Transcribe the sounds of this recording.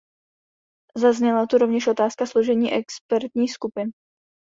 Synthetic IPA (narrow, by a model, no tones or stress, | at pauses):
zazɲɛlat̪uɾovɲɛʃʔo̞t̪aːskasloʒɛɲiːʔɛkspɛɾt̪ɲiːxskupɪn